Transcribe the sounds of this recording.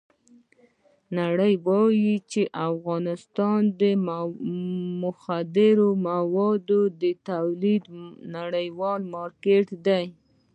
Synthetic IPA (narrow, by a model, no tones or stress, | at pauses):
naɽəjbɑjit͡ʃeʔafɣɑnɪst̪ɑnd̪ə | mʊxad̪ɪɾomawɑd̪od̪ət̪awlid̪naɽəjwɑlmɑɾkeʈd̪aj